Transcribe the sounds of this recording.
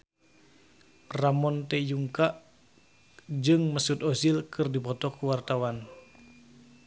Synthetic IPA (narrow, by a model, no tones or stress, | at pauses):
ramɔnt̪ɛjuŋkaʔ | d͡ʒɨŋməsut̪ɔsilkʰɨrdipɔt̪ɔkuwart̪awan